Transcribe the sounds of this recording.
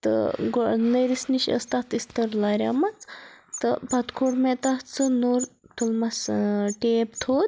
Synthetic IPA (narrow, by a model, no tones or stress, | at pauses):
t̪ɨ̰ɡonɐɾisniʃɐ̰st̪at̪ʰist̪ɐɾlaɾʲa̰mɐt͡st̪ɨpɐt̪kʰoʈmet̪ɐt̪t͡sʰɨnoɾ | t̪ʰulmɐsʈeːpt̪ʰoːd̪ʲ